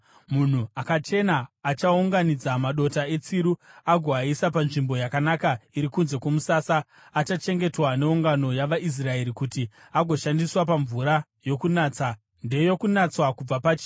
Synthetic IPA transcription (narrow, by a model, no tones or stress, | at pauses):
mun̤uakat͡ʃe̞naːt͡ʃauŋɡanid͡zamaɗo̞tae̞t͡siɾuaɡʱoaisapanʐimbo̞jakanakaiɾikunze̞komusaːsaː | t͡ʃat͡ʃe̞ŋɡe̞twaneuŋɡano̞jaʋaʔis̬rae̞ɾikuti | aɡʱo̞ʃandiswapaɱvuɾa | jo̞kunaːt͡sa | nde̞jo̞kunat͡swakub͡vapat͡ʃi̥